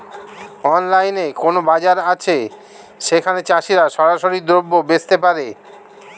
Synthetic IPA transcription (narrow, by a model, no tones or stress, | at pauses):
ɔnlajnekonobad͡ʑaɾat͡ɕʰe | ʃekʰanet͡ɕaʃiɾaʃɔɾaʃoɾid̪ɾobːobest̪epaɾe